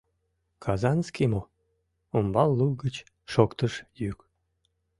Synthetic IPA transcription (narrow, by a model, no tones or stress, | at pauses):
kʰɑzɑnskimo | ombɑlːuɡət͡ɕ | ʃokt̪əʃjyk